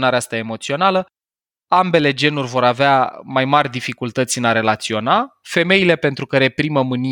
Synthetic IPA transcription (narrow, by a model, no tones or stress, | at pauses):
naɾeast̪ae̞mo̞t̪sio̞nalə | ambe̞le̞d͡ʒe̞nurʲvo̞ɾaveamajmarʲd̪ifikult̪ət̪sʲɨnaɾe̞lat̪sio̞nafe̞me̞jile̞pe̞nt̪ɾukəɾe̞pɾiməmɨni